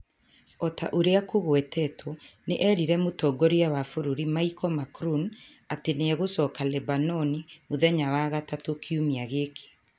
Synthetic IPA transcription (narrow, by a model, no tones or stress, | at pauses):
ɔta̰ʔoɾeakoɣwɛtɛtʰɔneʔɛɾiɾɛmotɔːɡɔɾiawafoɾuɾimaikɔmakɾun | ateneɛɣosɔkalɛbanɔnimoðɛɲawaɣatatokʰiumiaɣeːkʰe̥